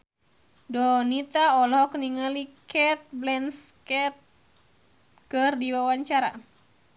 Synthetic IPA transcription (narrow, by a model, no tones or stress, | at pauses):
dɔnit̪aɔlɔɦɔkəniŋalikɛt̪̚blɛnskɛt̪̚ | kɨrdiwawaɲt͡ʃaɾa̰